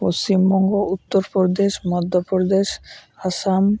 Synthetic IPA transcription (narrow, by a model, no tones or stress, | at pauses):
post͡ɕimbɔŋɡout̪ːoɾpoɾd̪eʃmɔd̪ʱːopoɾd̪eʃasam